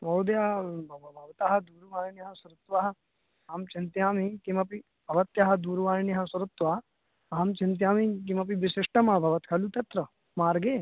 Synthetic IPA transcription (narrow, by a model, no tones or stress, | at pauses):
mɐwd̪jabʱɐʋbʱɐʋɐt̪aːɦɐ̆d̪uːɾʋaːɾnjɐɦɐsɐɾut̪ʋaɦɐ | aːmt͡ʃint̪jaːmikimɐpi | bʱɐʋɐt̪jaɦɐd̪uːɾʋaːɾnjɐɦɐsɐɾut̪ʋa | aːmt͡ʃint̪̬jaːmik̬imɐp̬iʋɪsɪʂʈɐmabʱɐʋɐt̪kʰɐlut̪ɐt̪ɾɐ | maːɾɡeː